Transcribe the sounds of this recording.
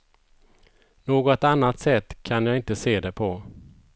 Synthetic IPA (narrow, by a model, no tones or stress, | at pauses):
noːɡɔt̪anːat̪sɛt̪ːkʰanjaːɪnt̪əseːd̪ɛpʰɔ